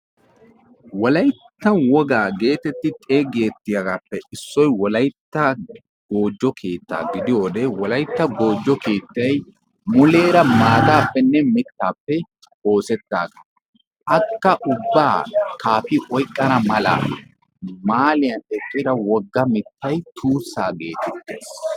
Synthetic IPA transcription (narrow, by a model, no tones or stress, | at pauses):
wɔlɐjt̪ːɐwɔɡaːɡe̞ːt̪ɛt̪ːɪt̪ʼeːɡe̞ːt̪ːɪjɐɡaːpːɛʔɪsːɔjwɔlɐjt̪ːɐ | ɡ̥oːd͡ʒːɔkʰe̞ːt̪ːa̰ːɡɪd̪ɪjo̞ːd̪ɛwɔlɐjt̪ːɐɡo̞ːd͡ʒːɔkeːt̪ːɐj | mʊle̞ːɾɐmaːd̪aːpːɛnːɛmɪt̪ːaːpːɛ | o̞ːsɛt̪ːaːɡɐ | ʔɐkːɐʔʊbːa̰ːkaːfɪʔɔjkʼːɐnɐmɐla̰ː | maːlɪjɐnt̪ɛkʼːɪɾɐwɔɡːɐmɪt̪ːɐjt̪ʰuːsːaːɡe̞ːt̪ɛt̪ːe